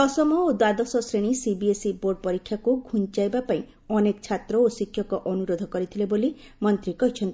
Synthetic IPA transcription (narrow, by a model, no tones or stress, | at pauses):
ɔsɔmɔod̪wad̪ɔsɔsɾeɽ̃isibiesiboɾɖɔpɔɾikʰːjakuɡʱuɲt͡ʃajbapaĩ | ɔnekɔt͡ʃʰat̪ɾɔosikʰjɔkɔʔɔnuɾod̪ʱɔkɔɾit̪ʰilebolimɔnt̪ɾikɔɦit͡ʃʰɔnt̪i